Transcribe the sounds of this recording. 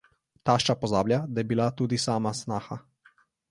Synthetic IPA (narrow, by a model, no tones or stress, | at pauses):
t̪aːʃt͡ʃapɔzaːbljad̪ajɛbilat̪uːd̪isaːmasnaːxa